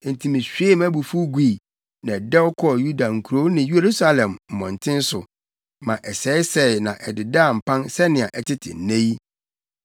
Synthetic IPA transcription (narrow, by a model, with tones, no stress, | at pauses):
n̩˨tʰi˨mĩ˨ɕᶣɥe˦mæ̃˦bu˨fu˦ɡʷiː˦˨ | nã˨dɛ˦wɔ˦kʰɔ˦˨ju˦da˨ŋ̩˨kʰu˨ɾo˦nɪ̃˨je˨ɾu˦sa˦lɛ̃˨mm̩˨mɔ̃˨n̩˨tʰɪ̃˦n̩˦sʊ˨ | mã˨ʔɛ˨sɛː˨˦ɪ˦sɛ˦˨nã˨ʔɛ˨dɪ˨da˦˨m̩˨pʰã˦nsɛ˦nɪ̃˨a˨ʔɛ˨tʰɪ˦tʰɪ̰˨n̩˨nẽ˦ji˦